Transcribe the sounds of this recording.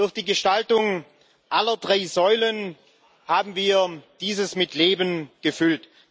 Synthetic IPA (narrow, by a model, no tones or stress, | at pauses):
d̥ʊɐxd̥iːɡəʃtaltʊŋ | ʔalɐdʁaɪzɔʏlən | haːbm̩viːɐd̥iːzəsmɪtleːbənɡ̥əfʏlt